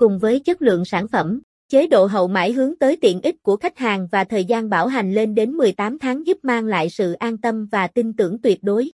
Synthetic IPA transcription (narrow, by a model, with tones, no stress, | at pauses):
kʊ˨˩ŋ͡mvəː˨˦jt͡ɕə˦˥t̚lɨ̰˧˨əŋsaː˧˩nfə˧˩m | t͡ɕe˨˦ɗo̰˧˨ɦə̰˧˨wma̰ː˧˩jɦɨ˨˦əŋt̪əː˨˦jt̪ḭ˧˨ənʔi˦˥k̟̚ku˧˩əxa˦˥jk̟̚haː˨˩ŋvaː˨˩t̪ʰəː˨˩jzaː˧nɓaː˧˩wɦa˨˩jŋ̟le˧nɗe˨˦nmɨ˨˩əjt̪aː˨˦mt̪ʰaː˨˦ŋzu˦˥p̚maː˧ŋla̰ː˧˨jsɨ̰˧˨ʔaː˧nt̪ə˧mvaː˨˩t̪i˧nt̪ɨ̰˧˩əŋt̪wi˨˩ət̚ɗo˨˦j